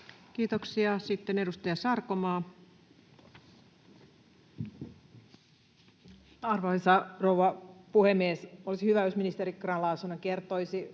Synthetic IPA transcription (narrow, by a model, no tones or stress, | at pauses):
kiːt̪oksiɑsit̪ːene̞dust̪ɑjɑsɑrkomɑː | ɑrʋɑhisɑrowʋɑpuhemːiesolisihyʋæjosminist̪eɾikrɑnlɑːsunːɑkert̪ojsi